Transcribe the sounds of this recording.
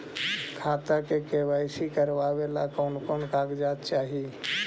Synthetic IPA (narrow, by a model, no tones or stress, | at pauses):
kʰaːt̪akekeːʋaːɪsikəɾʋaːwelakɔːnkonkaːɡd͡ʒaːt̪t͡ʃaːɦi